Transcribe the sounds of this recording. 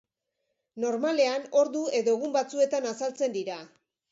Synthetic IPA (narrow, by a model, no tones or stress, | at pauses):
no̞ɾmale̞ano̞ɾðue̞ðo̞eɣumbat͡sue̞t̪anasalt͡se̞nd̪iɾa